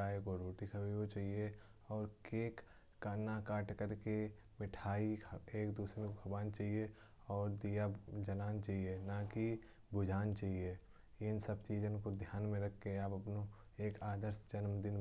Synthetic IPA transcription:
aːekoɾuːʈikʰəbiot͡ʃaːɦie | ɔːɾkeːkː | anakaːʈkəɾke | mɪʈʰaːieːkd̪uːsɾekokʰɐbaːnt͡ʃaːɦie | ɔːɾd̪ijad͡ʒənaːnt͡ʃaːɦienaki | bʊd͡ʒʱaːnt͡ʃaːɦie | jensəbt͡ʃiːd͡ʒənkod̪ʱjaːnmẽɾɐkʰːeaːpɐpno | eːkaːd̪əɾsd͡ʒənmd̪ɪn

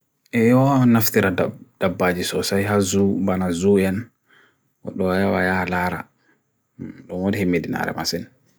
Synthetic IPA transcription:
ʔɛjɔnaft̪iɾadd̥abːad͡ʒisɔsajɦazubanazuɛn | wɔ̰ɗːɔwajawajalaːɾa̰ | ɗɔnwadihemːedina̰ɾɛ̰ma̰sin

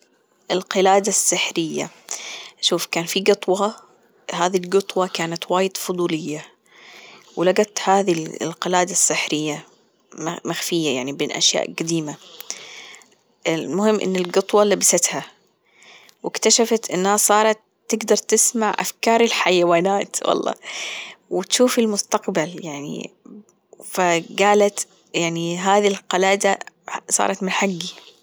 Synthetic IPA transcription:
ʔɪlqɪlaːd̪asːɪħɾɪjːa̰ | ʃuːfkaːnfiɡɨt̪ˤwɑ | haːðilɡɨt̪ˤwɑkaːnat̪waːjɪd̪fʊd̪ˤuːlɪjːa | wɪlaɡat̪haːðḭlqɪlaːd̪asːɪħɾɪjːa | maxfɪjːajaʕnibeːnʔa̰ʃja̰ːʔɡad̪iːma | ɪmʊhɪmːʔɪ̰nːɪlɡʊt̪ˤwɑlabasat̪ha | wɪkt̪aʃafat̪ʔɪnːhasˤɑːɾˤɑt̪ːɪɡd̪ɑɾˤt̪ɪsmaʕʔa̰fkɑːɾˤɪlħajawaːnaːt̪wʔɑ̰lˤːɑ̰ː | wɪt̪ʃuːfɪlmʊst̪aqbaljaʕnḭ | faɡaːlat̪ | jaʕniɦaːðilqɑlaːd̪a | sˤɑ̰ːɾˤɑt̪mɪnħaɡːi

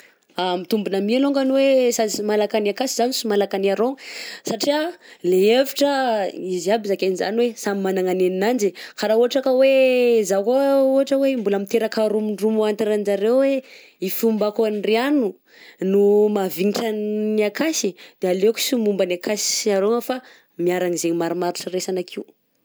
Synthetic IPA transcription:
amit̪umbunamialoŋɡanwesazimalakaniakasizanisumalakaniaɾosaʈ͡ʂialeeviʈ͡ʂəiziabizakaniza̰niwesamimanaŋaneninand͡ʒikaɾauaʈ͡ʂakəwezakouɦaʈ͡ʂəwembulamit̪eɾakaɾumiɳɖ͡ʐumuant̪iɾand͡ʒaɾewwe | ifumbakoanrianu | numaviniʈ͡ʂanniakasid̪̥ealeku̥sumumbanakasi̥aɾoŋəfa | miaɾaŋizeɲimaɾimaɾiʈ͡ʂəresanakʰiu

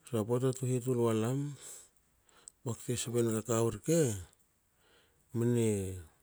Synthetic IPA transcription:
sapotatuhet̬ulalam | bakteseβenolakawuɾke | mine

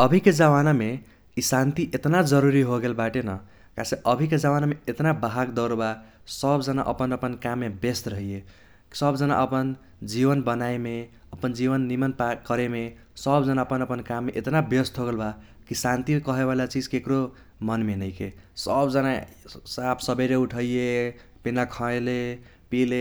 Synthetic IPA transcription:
ʌbʱiked͡ʒawaname | isant̪iʔet̪nad͡ʒʌɾuɾiɦoɡelbaʈenʌ | kaseʔʌbʱiked͡ʒawanameet̪nabaɦaɡd̪ʌɾba | sʌbd͡ʒʌnaʔʌ̰pənʌpənkamːebest̪ɾʌɦije | sʌbd͡ʒʌna̰ʔʌpən | d͡ʒiβʌnbʌnaeme | ʌpənd͡ʒibʌnːimʌnpakʌɾeme | sʌbd͡zʌnaʌpʌnʌpənkamːeʔet̪nabjʌst̪ʰoɡəlba | kisant̪ikʌɦeβalat͡sid͡zkekɾo | mʌnmenʌjkesʌbd͡zʌnasapʰsʌbeɾeuʈʰʌije | pinakʰʌ̃le | pile

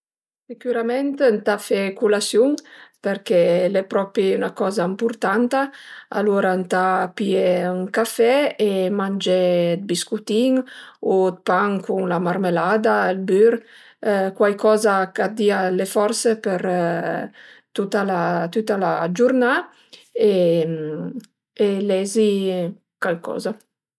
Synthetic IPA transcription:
sekyɾamɛnt̪nt̪afɛkulasjuŋpeɾkɛlɛpɾɔpɾiynakɔzaimpuɾt̪ant̪aa̰loɾant̪apieyŋkafɛemand͡ʒɛd̪̚biskut̪iŋot̪̚paŋkuŋlamaɾmelad̪aelbyɾ | kwajkɔzakad̪ialefɔɾsepeɾ | t̪ut̪alat̪ut̪alad͡ʒuɾna | e | elɛzi | kalkɔ̰ːza

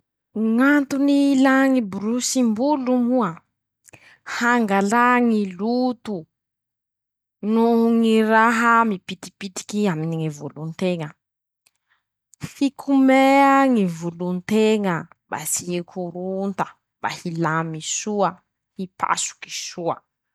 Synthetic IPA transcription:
ŋant̪unilaŋibɾusimbulumuə | haŋɡalaŋilut̪u | nuŋiɾaɦəmipit̪i̥pit̪i̥kiaminiŋivulunt̪eŋə | fikʰumeaŋivulunt̪eŋə | ba̰siekʰuɾunt̪ə̥ | b̥a̰hilamisuə | hipʰa̰su̥ki̥suə̰

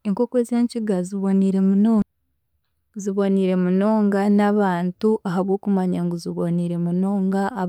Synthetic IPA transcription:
eŋkokwezeːɲciɡaziβo̞niɾe̞munoː | ziβo̞niɾe̞muno̞ːŋɡanaβaːntuʔaɦaβwoːkumaɲaŋɡuziβoniɾe̞muno̞ːŋɡaː

